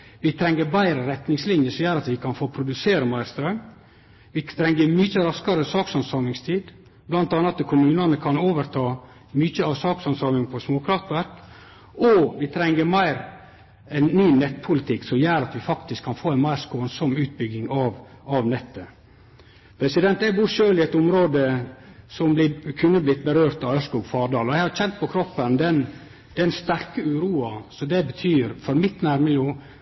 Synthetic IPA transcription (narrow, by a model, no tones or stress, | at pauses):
ʋɪt̪ʰɾɛŋːəɾbæɪɾəɾɛt̪nɪŋslɪnjəsɔmjæːɾɑt̪ʋɪkʰɑnfoːpʰɾʊd̪ʉseːɾəmæɪɾst̪ɾœʏm | ʋɪt̪ʰɾɛŋːəmʏçəɾɑskɑɾəsɑːksɑnsɑːmɪŋst̪ʰiːd̪ | blɑnt̪ɑːnɑt̪əkʰʊmʉːnɑnəkʰɑnoːʋəɾt̪ʰɑː | myçəɑʋsɑːksɑnsɑːmɪŋpʰɔsmoːkʰɾɑft̪ʋæɾk | ɔʋɪt̪ʰɾɛŋːəɾmæɪɾ | ɛnnyːnɛt̪ːpʰʊlɪt̪ʰɪksɔmjæːɾɑt̪ʋɪfɑkt̪ɪskʰːɑnfoːɛnmæɪɾskoːnsɔmʉːt̪̚bʏɡːɪŋɑʋɑʋnɛt̪ːə | pʰɾɛsɪd̪ɛnt̪æbuːʃøːlɪɛt̪ʊmɾoːd̪əsɔmblɪkʰʉnːəblɪt̪̚ːbəɾøːɾt̪ɑʋœskuːɡfɑːɖɑːlɔjæɪhɑɾçɛnt̪̚pʰɔkʰɾɔpːənd̪ɛn | d̪̥ɛnst̪æɾkəʉːɾuːɑsɔd̪ɛbət̪ʰyːɾfɔɾmɪt̪ːnæɾmɪljuː